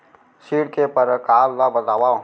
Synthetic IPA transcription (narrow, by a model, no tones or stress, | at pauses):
siːɽkepəɾkaːlːabət̪aːʋaː